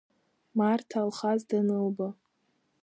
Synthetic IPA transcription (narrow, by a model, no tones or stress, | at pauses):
martʰalχazdanɨlba